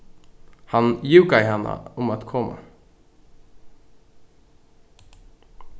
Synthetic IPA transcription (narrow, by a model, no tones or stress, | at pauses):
hɑnjʉːɡaɪhɛnːə̰ʊmat̪kʰɔmːə̰